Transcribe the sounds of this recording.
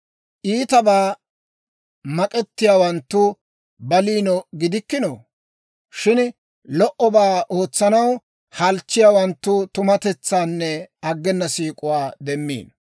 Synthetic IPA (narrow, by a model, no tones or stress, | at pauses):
ʔiːt̪ɐbaː | mɐkʼɛt̪ːɪjaːwɐnt̪ːʊ | bɐliːnɔɡɪd̪ɪkːɪnɔ | ʃɪn | lɔʔɔbaːoːt͡sːɐnɐw | hɐlt͡ʃːɪjaːwɐnt̪ːʊt̪ʊmɐt̪ɛt͡sːaːnːɛɐɡːɛnːɐsiːkʼʊwaːd̪ɛmːḭːn